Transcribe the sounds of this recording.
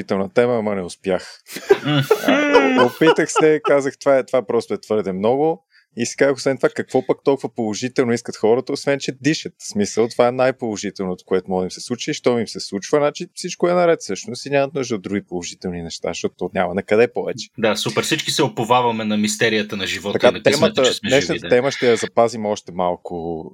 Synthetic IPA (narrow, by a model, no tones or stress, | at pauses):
it̪ɛlˠnət̪ɛməːmənɛʊspjax̩ | opit̪əxsɛkazəxt̪vaɛt̪vapɾɔst̪ʊɛt̪v̥ɤɾd̪ɛmnɔɡʊ | isi̥kazəxosvɛnt̪ovakɐkv̥ɔpək̚t̪ɔlˠkvəpolˠoʒit̪ɛlˠnoiskət̪xɔɾət̪əosvɛnt͡ʃɛd̪iʃət̪smisəlˠt̪ovaɛnajpolˠoʒit̪ɛlˠnot̪o̥koɛt̪omɔɡd̪əimsɛslˠut͡ʃiiʃt̪ɔimsɛslˠut͡ʃvənat͡ʃifsit͡ʃkʊɛnɐɾɛt̪sɤʃnosiɲʲamət̪̚nuʒd̪əod̪ɾuɡʲipolˠoʒit̪ɛlˠninɛʃt̪a̰ʃt̪ɔt̪t̪ɔɲʲamɐnɐkɐd̪ɛpɔvɛ̰t͡ʃɛ̥d̪asupɛɾfsit͡ʃkisɛopovavɐmɛnɐmist̪ɛɾijət̪ənɐʒivɔt̪ɐk̪kat̪t̪ɛmnət̪əsmɛɛsntt̪ət̪ɛməʃt̪ɛjɐzɐpazimɔʃt̪ɛmalˠkʊ